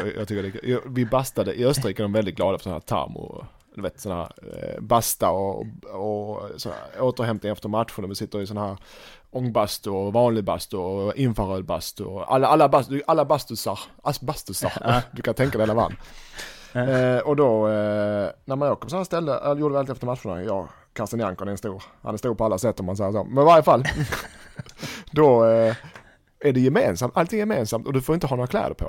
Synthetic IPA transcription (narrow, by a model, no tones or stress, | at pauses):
jɑ̰ɡt̪ʏkːəɾdɛɡjvɪbast̪ad̪əʔɪœst̪əɾiːkaɛd̪ɔmvɛld̪ɪt̪̚ɡlɑːd̪afœ̥sɔnhæ̰ːɾt̪ʰa̰ɾmʊ̰ | d̪̥ʉveːt̪sɔnːahæ̰ːɾbast̪aɔɔsɔ̰n̰oːt̪əɾɦɛmt̪ɪŋɛft̪əɾmat̪ɧənvɪsɪt̪ːəɾɪsɔnhæːɾ | ɔŋːbast̪ʊɔvɑːnlɪɡ̚bast̪ʊɔɪnfaɾøːd̪̚ba̰st̪ʊa̰lːalːabad̪ʔalːabast̪ʉsaɾʔalsɔbast̪ɵsa̰ɾd̪ɵkʰant̪ʰɛŋkad̪ɛhalava̰nː | ɔd̪ɔ | næɾmanɑːkʰɔməshːɾst̪ɛlːəɛjuːɾɖəvɛlɪt̪ɛft̪əɾmat̪ɧʊɳa̰jɑ̰ːɡ | kʰaɾsɪnjaŋkɔnɛɾnst̪uːɾha̰nɛɾst̪uːɾpʰɔalːasɛt̪ːɔmhans̬ɛjːəso̰ːmɛnɪvaɾjəfalː | d̪ɔ | æɖɛjɛmeːnsamt̪ʔalt̪ʰɪŋːɛjɛmeːnsamt̪ɔd̪ɵfoɾɪnt̪əɦɑːoːɾakʰlɛ̰ːd̪ə̰ɾpʰɔ̰